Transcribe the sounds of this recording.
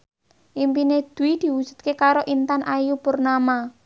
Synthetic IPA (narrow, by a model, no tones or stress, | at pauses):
ʔimpined̪̥uwid̪̥i̤wud̥ʒ̥ṳ̥t̪̚kekaɾoʔint̪anʔajupʊrnama